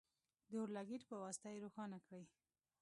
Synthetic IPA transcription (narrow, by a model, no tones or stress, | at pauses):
d̪əoɾlaɡiɾpəwɑsɪ̥t̪ajɾoxɑnakɽəj